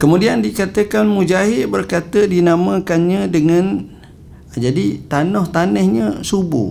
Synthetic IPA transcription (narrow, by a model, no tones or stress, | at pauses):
kəmudiandikat̪əkanmũd͡ʒaɦɪʔbərkat̪ədinamə̃kanɲə̃dəŋãn | d͡ʒadit̪anɔht̪anəhɲə̃subṵ